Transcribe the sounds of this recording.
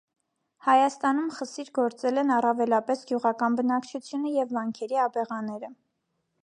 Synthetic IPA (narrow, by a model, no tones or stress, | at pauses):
hɑjɑst̪ɑnumχəsiɾɡɔɾt͡sɛlɛnɑrɑvɛlɑpɛsɡjuʁɑkɑnbənɑkt͡ʃʰut͡sʰjunəjɛvːɑŋkʰɛɾiɑbɛʁɑnɛɾə